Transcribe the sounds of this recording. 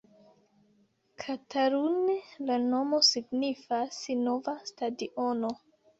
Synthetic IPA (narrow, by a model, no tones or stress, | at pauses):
kʰataɾunelano̞mo̞siɡnifasino̞vastadiʔono